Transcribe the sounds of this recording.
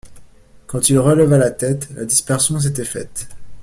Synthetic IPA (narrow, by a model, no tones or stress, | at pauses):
kɑ̃t̪ilʁələvalat̪ɛt̪la̰d̪ispɛʁsjɔ̃s̬et̪ɛfɛ̰t̪